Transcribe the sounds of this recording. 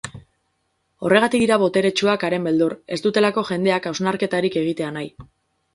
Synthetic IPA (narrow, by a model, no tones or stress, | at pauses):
o̞re̞ɣ̞at̪ikiɾaβo̞t̪e̞ɾe̞t͡ʃuakaɾe̞mbe̞ld̪uɾe̞st̪ut̪e̞lako̞ʝe̞nd̪e̞akawznaɾke̞t̪aɾike̞ɣ̞it̪e̞anaj